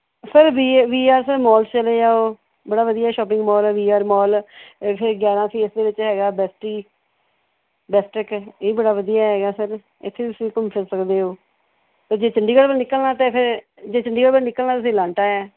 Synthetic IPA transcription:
səɾʋiːʋiːaːɾsəɾmɔːlst͡ʃəleːd͡ʒaːoː | bəɽaːʋəd̪ijaːɛʃɔːp̬ɪ̃ŋɡmɔːlːʋiːaːɾmɔːlpʰɪɾɡjaːɾãːpʰiːsd̪eːʋɪt͡ʃɦɛːɡaːbɛːsʈɾiː | bɛːsʈɾɪkeːiːbəɽaːʋəd̪ijaːɦɛːɡaːsəɾ | ɪt̪ʰːeːʊsĩːkʊmpʰɪɾsəkd̪eːoː | pəɾd͡ʒeːt͡ʃəɳɖiːkəɽbənɪkəlnaːt̪ẽːpʰɪɾ | d͡ʒeːt͡ʃəɳɖiːkəɽbənɪkəlnaːt̪ʊs̬ĩːlãːɳʈaːɛː

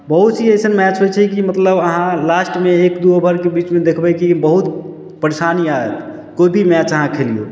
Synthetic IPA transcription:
bəɦut̪siəjsənmɛt͡ʃɦot͡ʃʰɛkimət̪ləbəɦãlasʈmeːkd̪ubʱəɾkebit͡ʃmẽd̪ekʰbɛkibəɦut̪ | pəɾesanijaet̪ | koibʱimɛt͡ʃəɦãkʰelijo̰

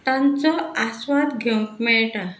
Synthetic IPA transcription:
t̪ãnt͡sɔasʋat̪ɡʱɔŋkmɛɭʈa

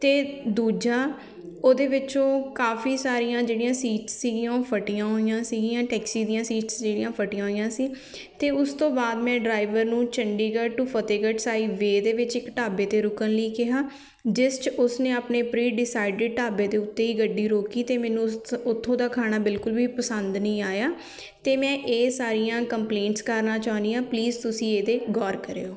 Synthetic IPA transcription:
t̪eːd̪uːd͡ʒaː | oːd̪eːʋɪt͡ʃõːkaːfiːsaːɾijãːd͡ʒeːɽijãːsiːʈsːiːɡijãːoːpʰəʈɪjãːɦoːjãːsiːɡijãːʈɛːksiːd̪ijãːsiːʈsd͡ʒeːɽɪjãːpʰəʈɪjãːɦoːijãːsĩː | t̪eːʊst̪õːbaːd̪mɛ̃ːɖɾaːɪʋəɾnũːt͡ʃəɳɖiːɡəʈupʰət̪eːɡəʈsaːiːʋeːd̪eːʋɪt͡ʃɪkʈaːbeːt̪eːɾʊkənləiːkɪɦaː | d͡ʒɪst͡ʃʊsneːaːpneːpɾiːɖɪsaːɪɖəʈaːbeːd̪eːʊt̪ːeːiːɡəɖːiːɾoːkiːt̪eːmɛ̃ːnũːʊt̪ʰːõːd̪aːkʰaːñaːbɪlkʊlʋiːpəsənd̪nəĩːaːjaː | t̪eːmɛ̃ːʔeːsaːɾijãːkəmpleːɳʈskəɾnaːt͡ʃaːnd̪iːãːpliːzt̪ʊsĩːeːd̪eːɡɔːɾkəɾḛːoː

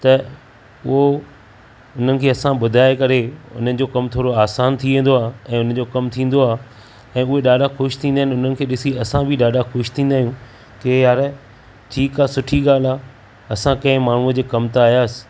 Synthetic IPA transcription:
t̪ɐ | ʊɦo | ʊn̤ənɪ̆kʰeːɐsãɓʊd̪ʱaːekɐɾeʊ̰n̤ənɪ̆d͡ʑoːkɐmt̪ʰoːɾoaːsaːnt̪ʰiʋẽːn̆d̪oaːɛ̃ːʊnə̆d͡ʑoːkɐmt̪ʰĩːn̆d̪oaːɦ | ɛ̃ːʊɦeɗaːɗaxʊʃt̪ʰĩːnd̪aːɪnɪʊn̤ənɪ̆kʰeːɗɪsiɐsãbʱiɗaːɖaxʊʃt̪ʰĩːn̆d̪aːɦjũ | kejaːɾɛ | ʈʰiːkaːsʊʈʰiɠaːl̤aː | ɐsãkɐ̃ɪ̃maːɳ̤ũəd͡ʑeːkɐmt̪aːɦijaːsɪ̥

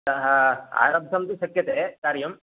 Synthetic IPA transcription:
ɐɦɐa̰ːɾɐb̚d̪ʱɐmt̪uʃɐkjɐt̪eːkaːɾjɐm

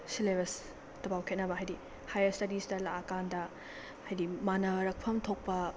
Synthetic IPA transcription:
silebɐs | tɐbawkʰet̚nɐbɐɦajdi | hajɐɾstɐdistɐlaʔɐkandɐ | hajdimanɐɾɐk̚pʰɐmtʰok̚pɐ

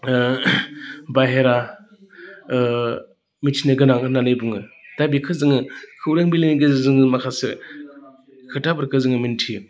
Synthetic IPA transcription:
bajɦeɾa | mitʰinɯɡɯnaŋɯnanɯjbuŋɯd̥abikʰɯzɯŋɯkʰɯwɾaŋbileniɡɯzzɯŋmakʰasɯ | kʰɯtabɯɾkɯzɯŋɯmintʰi

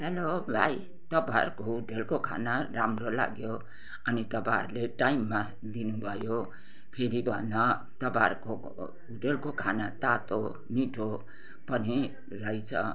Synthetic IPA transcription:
ɦelobʱa̰j | t̪ʌpaɾkouʈelkokʰa̰naɾamrola̰ɡjo | ʌnit̪ʌpaʌ̰ɾleʈajmːa | d̪inũbʱʌjo | pʰeɾibʱʌnʌ | t̪ʌpaɾko | uʈelkokʰanat̪at̪o | miʈʰo | pʌni | rʌjt͡sʰʌ̰

